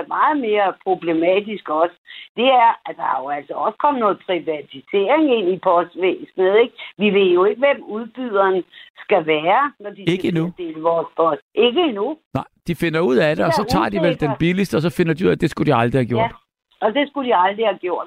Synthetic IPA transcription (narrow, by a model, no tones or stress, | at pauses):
mɑ̈ːð̞̩ˠme̝ːɐpʰʁo̝b̥le̝mɛ̰ːd̥isɡ̥ɒ̽səd̥e̝æɐæd̥ɑ̈hɑ̈jo̝æl̰sɐɒ̽skʰɒ̽m̰nɔ̽ːð̩ˠpʰʁiʋæt͡sʰise̝ɐ̰eŋe̝n̰ipʰɒ̽sd̥ʋeːsnð̩ˠeɡ̥ʋiʋe̝ð̰jo̝e̝ɡ̥əʋemuðˠb̥yð̰ˠɐnsɡ̥æʋæːɐnɒd̥ise̝ɡ̥əinud̥e̝̰ːləʋɒːspʰɒ̽sd̥e̝ɡ̥əinunɑ̈ɪd̥ife̝nɐuð̰ˠæd̥eɒ̽sɒ̽t͡sʰɑ̰̈ːd̥iʋeld̥enb̥ilisd̥əɒ̽s̬ɒ̽fe̝nɐdiuð̰ˠæd̥e̝sɡ̥ud̥iɑ̈ld̥ʁihæɡjo̰d | ɒ̽d̥e̝sɡ̥ud̥iɑ̈ld̥ʁihæɡ̥jo̝ɐ̰d̥